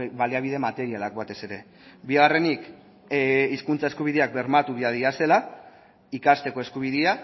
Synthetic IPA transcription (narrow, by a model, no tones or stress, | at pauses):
βaliaβ̞iðe̞mat̪e̞ɾialakbat̪e̞se̞ɾe̞ | biɣare̞nik | iskunt͡saeskuβ̞iðeak̚be̞ɾmat̪uβiaðiase̞la | ikast̪e̞ko̞e̞skuβ̞iðea